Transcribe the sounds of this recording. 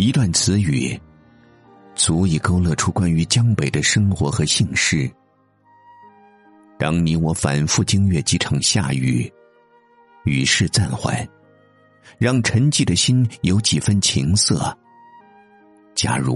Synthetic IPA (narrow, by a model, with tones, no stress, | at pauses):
i˧˥t̪wa˥˩nt͡sʰɹ̩˧˥y̰˨˩˦ | t͡su˧˥i˨˩ko˥ʊlɤ˥˩ʈ͡ʂʰu˥kwa˥ny˧˥t͡ɕjɑ˥ŋpe˨˩ɪd̪ə˦ʂɤ˥ŋxwɔ˧˥xɤ˧˥ɕi˥˧ŋʂɻ̩˥ | t̪ɑ˥ŋni˧˥wɔ˧˥fa̰˨˩nfu˥˩t͡ɕi˥ŋɥɛ˥˩t͡ɕi˧˥ʈ͡ʂʰɑ˨˩ŋɕja̰˥˩y̰˨˩ | y˨˩ʂɻ̩˥˧t͡sa˥˧nxwa̰˥˩ɪ | ɻɑ˥˩ŋʈ͡ʂʰə˧˥ŋt͡ɕi˥˩d̪ə˩ɕi˥njo˧˥ʊt͡ɕi˨˩fə˥nt͡ɕʰi˧˥ŋsɤ̰˥˩ | t͡ɕja̰˥ɻṵ˧˥